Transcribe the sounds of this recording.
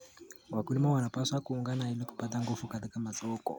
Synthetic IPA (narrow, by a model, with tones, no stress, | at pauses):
wa˨kuli˦mawa˨na˨paswakuːŋɡanahi˦li˦ku̥˨pa˦ta˦ŋɡufuka˨ti˦ka˦ma˨zɔkɔ̰